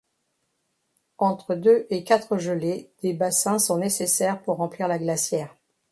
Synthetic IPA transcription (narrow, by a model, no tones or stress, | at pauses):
ɑ̃t̪χəd̪øʔekʲat̪χəʒəled̪̥ebasɛ̃sɔ̃nesesɛʁpuʁːɑ̃pliʁlaɡlasjɛːʁ